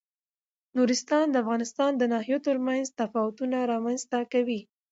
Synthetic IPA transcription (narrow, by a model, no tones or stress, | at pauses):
nuɾɪst̪ɑnd̪əafɣɑnɪst̪ɑnd̪ənɑhijot̪əɾmanzt̪afɑwʊt̪unaɾɑmanzt̪akawi